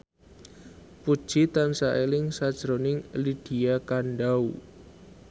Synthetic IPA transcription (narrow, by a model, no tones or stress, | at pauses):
pud̥ʒ̥it̪amsaʔelɪŋsad̥ʒ̥ɾonɪŋlid̥i̤akanɖau